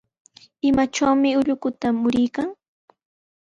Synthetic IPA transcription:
ɪmat͡ʃawmɪʊʎʊkʊt̪amʊɾɪjkaŋ

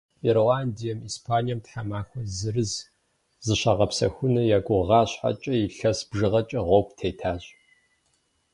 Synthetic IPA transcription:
irowaːndijɛmiːspʰaːnijɐmtħamaːxʷɔzɨrɨz | zɨɕaːʁɐpsɐ̰xʷʊnɐjaːɡʷʊʁɑːɕħa̰t͡ʃʼɐjiɬɐsb̥ʒɨʁɐt͡ʃʼɐʁʷowptʰeːtʰaːɕʼ

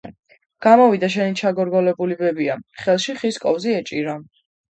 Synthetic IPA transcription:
ɡ̥amɔvid̪aʃ̬ɛnit͡ʃʰaɡɔɾɡɔlɛbulibɛbiaχɛlˠʃiχiskʼɔvziɛt͡ʃʼiɾa

